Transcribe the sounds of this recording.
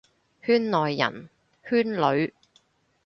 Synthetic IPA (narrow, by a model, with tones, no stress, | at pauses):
hyː˥nlɔː˨jːɐ̰˨˩n | hyː˥nlɵ˨˧˥ɥ